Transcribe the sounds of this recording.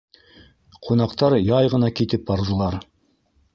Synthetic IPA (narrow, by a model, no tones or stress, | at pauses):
qʰunɑqt̪ɑɾjɑjʁɤ̆nɑkit̪ɘp̚bɑɾðɤ̆lˠɑɾ